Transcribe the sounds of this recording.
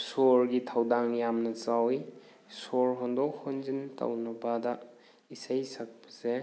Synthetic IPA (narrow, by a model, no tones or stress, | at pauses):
soɾɡitʰawdaŋjamnɐt͡ʃawj | sɔɾɦɔndɔkhonzinta̰wnɐpada | isajsak̚pɐ̥se